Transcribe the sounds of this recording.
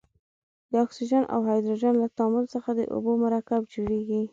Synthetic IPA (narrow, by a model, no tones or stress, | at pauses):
d̪əɑksiʒɑnʔa̰wɦɑjd̪ɾoʒɑnlat̪ɑmʊlsəxad̪ə̰ʔo̰bomaɾɑkab̚d͡ʒoɽeɡi